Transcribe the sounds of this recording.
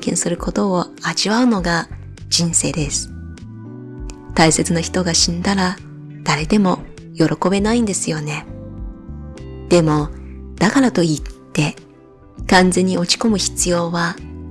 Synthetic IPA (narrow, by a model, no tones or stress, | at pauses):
kẽ̞ɰ̃sɨɾɯ̟ko̞t̪o̞ː | aʑiβaɯ̟no̞ɡa | d͡ʑĩɰ̃se̞̰ːd̪e̞sɨ̥ | t̪aise̞t͡sɨnaçi̥t̪o̞ɡaɕĩnd̪aɾa | d̪̥aɾe̞d̪e̞mo̞ | jo̞ɾʔo̞ko̞be̞naĩnd̪e̞sɨjo̞ne̞ | d̪̥e̞mo̞d̪̥akaɾat̪o̞it̪ːe̞ | kãnd͡zẽ̞ɲ̟ːio̞t͡ɕi̥ko̞mɯ̟çi̥t͡sɨjo̞ːβa